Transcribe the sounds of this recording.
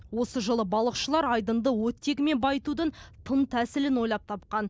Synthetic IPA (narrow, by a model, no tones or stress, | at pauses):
wo̞səʒəlˠəbɑlˠəqʃəlˠɑɾɑjd̪ənd̪əwɵt̪ːe̞kme̞nbɑjt̪ud̪ənt̪ʰənt̪ʰæsɪlɪnwo̞jlˠɑp̚t̪ʰɑp̚qɑn